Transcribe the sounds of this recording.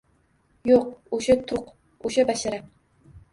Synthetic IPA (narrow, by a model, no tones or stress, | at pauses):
joq̚ʊʃat̪ʰʊq | oʃabaʃaɾa